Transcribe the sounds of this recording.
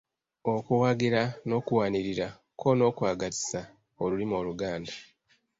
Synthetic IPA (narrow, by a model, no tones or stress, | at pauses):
o̞kuwaɡiɾano̞ːkuwaːniɾiɾa | kʰo̞no̞ːkwaːɡati̥sa | olulimo̞ːluɡaːnda